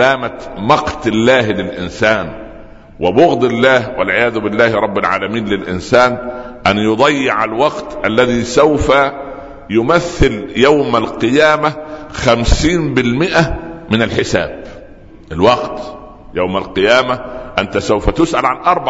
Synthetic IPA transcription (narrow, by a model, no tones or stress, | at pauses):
aːmamɑqt̪ɪlːaːhlɪlʔɪnsaːn | wɪbʊɣd̪ɪlːaːhwalʕɪjaːðʊbɪlːaːhɾˤɑbːɪlʕa̰ːlamiːnlɪlʔɪ̰nsaːn | ʔanjʊd̪ˤɑjːɪʕalwɑqt̪ʔalːæðiːsawfa | jʊmæθːɪljawmalqɨjaːmaxamsiːnbɪlmɪʔamɪnalħɪsa̰ːb̚ | ʔɪlwɑqt̪ | jawmalqɨjaːmaʔant̪asawfæt̪ʊsʔalʕanʔɑɾˤba